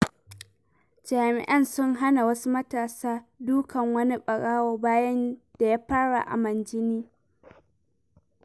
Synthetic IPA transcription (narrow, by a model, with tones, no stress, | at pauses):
d͡ʒaː˨mɪ̰˨ʔɐ˦nsʊ˦ŋɦa˦na˨wɐ˦su˦mɐ˦taː˨saː˦duː˦kɐ˨ŋwɐ˦ni˦ɓɐ˨ɽaː˦woː˨baː˦jɐ˦nd̥a˨jaː˦ɸaː˦ɽa̰˨ʔa̰˨mɐ˨nd͡ʒɪ˦niː˦